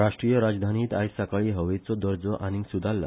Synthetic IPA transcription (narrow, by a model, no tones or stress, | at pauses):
ɾaʂʈɾijəɾad͡zd̪ʱaniːt̪ajsakaɭiːɦəʋet͡sɔd̪ɔɾd͡zɔʔanisud̪ʱalːa̰